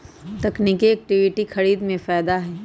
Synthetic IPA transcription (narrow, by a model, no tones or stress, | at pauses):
t̪ɐkniːkiɛk̚ʈɪʋɪʈixɐɾiːd̪mẽfaːd̪aɦɛː